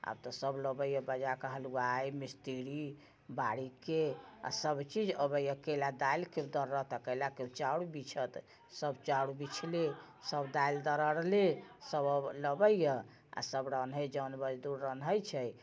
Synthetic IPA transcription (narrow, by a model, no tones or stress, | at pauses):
a̰bt̪ɔsəbləbəjəbəd͡ʒakəɦəluajmist̪iɾi | baɽikea̰səbt͡ʃid͡ʒəbəjəkelad̪ailked̪əɾːət̪əkəlakeut͡ʃaɽubit͡ʃʰət̪ | səbt͡ʃaɽubit͡ʃʰle | səbd̪aild̪əɾəɽlesəbələbəjjə | a̰səbɾənɦəd͡ʒənbəd͡ʒd̪uɾɾənɦəjt͡ʃʰəj